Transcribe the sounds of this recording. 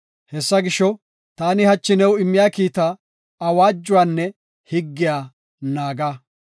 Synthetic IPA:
hɛsːɐɡɪʃɔ | t̪aːnɪhɐt͡ʃːɪnɛwɪmːɪjaːkiːt̪aː | waːd͡ʒːʊwaːnːɛ | hɪɡːɪjaː | naːɡɐ

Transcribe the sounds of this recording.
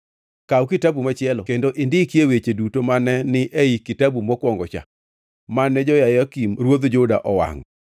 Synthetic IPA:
kawkɪtabumat͡ʃɪɛlɔkendoʔɪndɪkjewet͡ʃedutomanɛnɪʔeikɪtabumɔkwɔŋɡɔt͡ʃa̰ | manɛd͡ʒɔjajakimɾwod̪d͡ʒʊda̰ʔɔwa̰ŋ

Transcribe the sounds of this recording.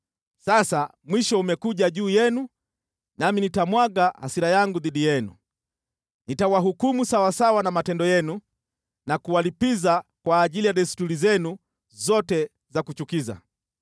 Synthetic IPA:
sasa | mwiʃɔumɛkuʄaʄuːjɛnu | naminitamwaɡaha̰siɾajaŋɡuðiɗijɛnṵ | nitawaɦukumusawasawanamatɛndɔjɛnu | nakuwalipizakwaːʄilijaɗɛstuɾizɛnu | zɔtɛ | zakut͡ʃukiza̰

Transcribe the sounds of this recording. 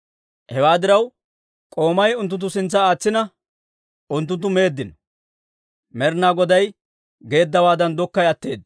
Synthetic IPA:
hɛwaːd̪ɪɾɐw | kʼo̞ːmɐjʊnt̪̬ːʊnt̪̬ːʊsɪnt͡sːɐaːt͡sːɪnɐ | ʊnt̪̬ːʊnt̪ːʊme̞ːd̪ːɪnɔ | mɛɾnaːɡɔd̪ɐj | ɡe̞ːd̪ːɐwaːd̪ɐnd̪ɔkːɐjɐt̪ːe̞ːd̪

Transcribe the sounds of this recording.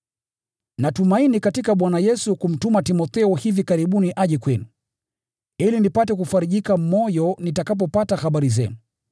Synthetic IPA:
natumainikatikaɓwanajɛsukum̩tumatimɔθɛɔhivikaɾiɓuniʔaʄɛkwɛnu | ilinipatɛk̬ufaɾiʄikamɔjɔnitakap̬ɔpatahaɓaɾizɛ̰nu

